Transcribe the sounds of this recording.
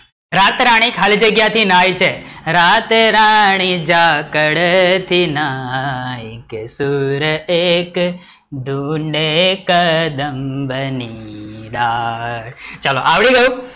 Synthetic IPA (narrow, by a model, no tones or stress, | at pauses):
ɾat̪ɾaɽ̃ikʰald͡ʒəɡjat̪ʰinajt͡ʃʰeɾat̪ɾaɳ̃id͡ʒakəɽt̪ʰina | jkesuɾəek | d̪ʱuɳɖekəd̪əmbəniɖa | t͡ʃalo̰ʔaʋɽiɡəjũ